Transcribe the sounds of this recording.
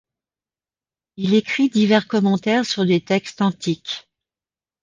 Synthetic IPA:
ilekχid̪ivɛʁkɔmɑ̃t̪ɛʁsyʁd̪et̪ɛkst̪ɑ̃t̪ik

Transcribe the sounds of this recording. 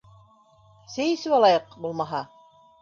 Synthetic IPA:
sɘ̆jɘ̆sɘβɑlˠɑjɤqbulˠmɑɦɑ

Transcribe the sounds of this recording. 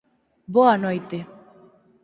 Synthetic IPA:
boanɔjt̪e

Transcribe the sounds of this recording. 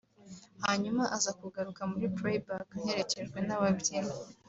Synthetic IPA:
haɲumaʔazakuɡaɾukamuɾipɾebakahe̞ɾe̞ce̞ʒɡwe̞naβabɟiɾe

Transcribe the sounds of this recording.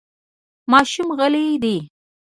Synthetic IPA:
mɑʃumɣalid̪i

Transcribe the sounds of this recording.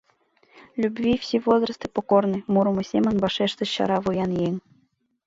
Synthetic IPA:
lʲubʲvʲifsʲivozrɤst̪ɨpokornɨmuɾɤ̆mŭsʲemʲə̆nbɑʂeʂt̪ɘ̆ɕɑ̰ɾɑvujɑnjeŋʲ

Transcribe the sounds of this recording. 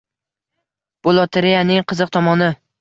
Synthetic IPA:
b̥olˠɒt̪ʰeɾejanɪŋqʰɨzɨq̚t̪ʰɒmɒnɪ

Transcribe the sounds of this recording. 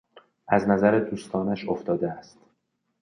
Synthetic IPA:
ʔæznæzæɾed̪uːst̪ʰɒːnæʃoft̪ɒːd̪eæst̪

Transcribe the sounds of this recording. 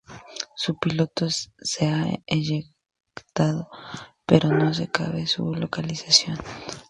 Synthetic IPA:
supilo̞t̪oseaeʝek | t̪að̞opeɾʔo̞no̞s̬e̞ka̰βesṵlokalisasjo̞n

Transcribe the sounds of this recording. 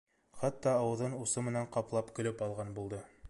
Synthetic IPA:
χæt̪ːɑːwɤ̆ðɤnusɤmɘ̆næɴqɑplˠɑpkɵ̆lɘpɑlˠʁɑnbulˠd̪ɤ

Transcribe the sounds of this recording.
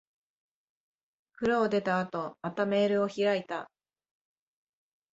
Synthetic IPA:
kɯ̟ɾoːd̪e̞t̪aːt̪o̞mat̪ame̞ːɾɯ̟o̞çiɾait̪a

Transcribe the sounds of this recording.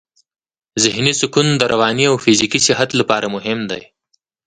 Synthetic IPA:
zɪhnisʊkund̪əɾʔawɑːniawfɪzikisɪɦat̪lapɑːɾamʊɦɪmd̪a̰j

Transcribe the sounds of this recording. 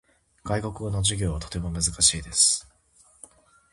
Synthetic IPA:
ɡ̥aiko̞kɯ̟onoʑiɡʲo̞ːβat̪ot̪e̞mo̞mɯ̟zɨkaɕiːd̪esɨ̥

